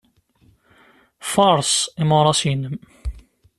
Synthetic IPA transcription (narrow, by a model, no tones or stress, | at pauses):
fɑɾˤsimoɾˤɑsinəm